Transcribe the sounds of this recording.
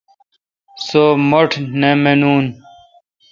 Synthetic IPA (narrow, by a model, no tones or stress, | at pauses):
somoʈʰnemenuːn